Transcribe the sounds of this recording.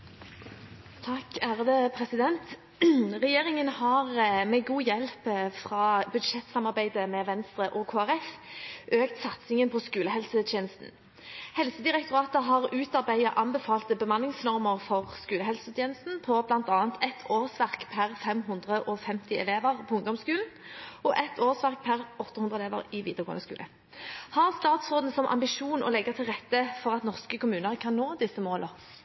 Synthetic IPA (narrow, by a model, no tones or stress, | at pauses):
t̪ʰɑkːæːʁəd̪əpʰʁɛsɪd̪ɛnt̪ | ʁɛjeːʁɪŋənhɑʁmɛɡuːjɛlpfʁɑːbʉd̪ʂɛt̪sɑmɑʁbæɪd̪əmɛʋɛnst̪ʁəʔɔkʰoːæʁɛfʔøːkt̪sɑt̪sɪŋənpʰɔskʉːləɦɛlsət̪ʰjeːnəst̪n̩ | hɛlsəd̪ɪʁɛkt̪ʊʁɑːt̪əɦɑʁʉːt̪ɑʁbæɪɑʔɑnbəfɑːlt̪əbəmɑnːɪŋsnɔʁməʁfɔʁskʉːləɦɛlsəʉt̪ʰjeːnəst̪n̩pʰɔblɑnt̪ɑːnt̪ʰɛt̪ʰoːʁsʋæʁkpʰæʁfɛmɦʉnd̪ʁəʔɔfɛmt̪ɪɛleːʋəʁpʰɔʊŋd̪ɔmskʉːln̩ɔʔɛt̪ʰoːsʋæʁk̚pʰæʁɔt̪ːəhʉnd̪ʁəɛleːʋə̰ʁɪʋiːd̪əʁɡoːənəskʉ̰ːlə̰ | hɑʁst̪ɑːt̪sʁoːd̪n̩sɔmʔɑ̰mbɪʂuːnɔ̰lɛɡət̪ʰɪlʁɛt̪ːəfɔʁɑt̪nɔʁskəkʊmʉːnəʁkʰɑnːoːd̪ɪsːəmoːlə